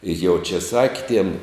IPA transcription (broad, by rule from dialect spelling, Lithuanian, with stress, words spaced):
ɪ jɛʊ t͡ʃʲɛ ˈsɑːkʲɪ tʲiɛm